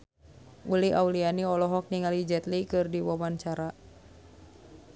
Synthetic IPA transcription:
uliʔawlianiɔlɔɦɔk̚niŋalid͡ʒɛt̪likɨrdiwamant͡ʃaɾa

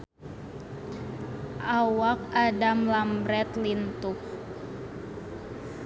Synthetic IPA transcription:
ʔawak̚adamlambɾɛt̪lint̪uh

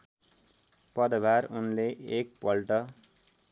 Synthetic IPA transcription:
pʌd̪bʱaɾunleʔek̚pʌlʈʌ

